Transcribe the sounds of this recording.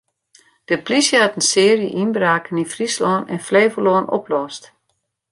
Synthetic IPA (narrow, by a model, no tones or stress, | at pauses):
d̥əplisjəhatən̩sɪərjə̰ʔinbraːkənifrislɔənɛnfleːvəloːno̰plɔst